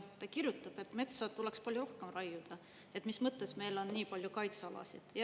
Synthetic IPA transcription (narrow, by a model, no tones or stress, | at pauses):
tt̪ɑkiɾjut̪ːˑɑb̥e̞t̪ːme̞t̪sɑt̪ːulekspɑlʲjuɾo̞hkemrɑjːud̪̥ɑ | e̞t̪ːˑmismɤt̪ˑːe̞sme̞jlo̞nniːpɑlʲjukɑjt̪sɑlɑ̰sid̪̥jɑ